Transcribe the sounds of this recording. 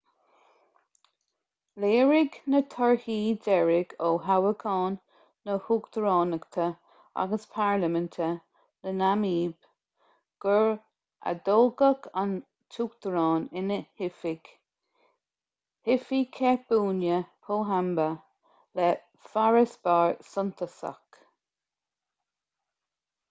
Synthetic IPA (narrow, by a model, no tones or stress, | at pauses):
leːɹɪɡnət̪ʰɔɹhiːd̪ɛɹɪɡoːɦawəkʰɑːnː | əhuːɡd̪̥əɹɑːnəɡt̪ʰə | a̰ɡəspʰaɹləmənt̪ʰə | nənamiːb̥ | ɡ̥əɹ | ʔa̰d̪oːɡəkʰan | tʰuːɡd̪̥əɾɑːnɪnəhɪfɪɡ̥ | hɪfikʰɛɹb̥uːnjəpʰoːɦambə | lɛ | faɹəsb̥aːɹsʊnt̪ʰəsa̰k